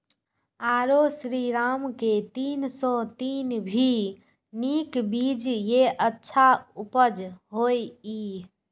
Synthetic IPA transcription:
aɾosɾiɾamket̪insɔt̪inbʱi | nikbid͡ʒjeʔətːʃʰaupəd͡ʒɦoji

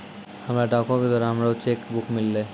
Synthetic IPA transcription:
amɾaɖakoked̪ɔɾeamɾaot͡ɕekbukmilːe

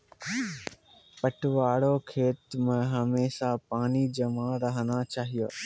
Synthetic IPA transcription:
pɐʈʊʋaːɽokʰeːt̪mə̃ɦɐmeːsapaːnid͡ʑɐmãɾɐɦə̃nd̪at͡ɕaːɦijoː

